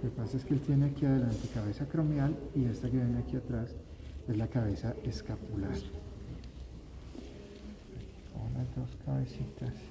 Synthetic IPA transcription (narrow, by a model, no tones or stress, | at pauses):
okepasaeskeelt̪je̞neakiaðe̞lant̪e̞kaβe̞sakɾomjalie̞st̪akeβjeneakiat̪ɾas | e̞zlakaβe̞saʔeskapulaɾ | e | komlazd̪o̞skaβesit̪as